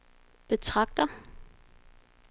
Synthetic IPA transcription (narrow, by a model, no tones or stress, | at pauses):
b̥e̝t͡sʰʁɑɡ̥̚d̥ɐ